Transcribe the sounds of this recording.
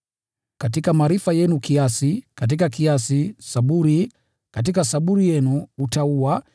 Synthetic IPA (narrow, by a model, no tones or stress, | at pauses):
kat̬ikamaɾifajɛnukiasikat̬ikakiasisaɓuɾi | kat̬ikasaɓuɾijɛnuutaua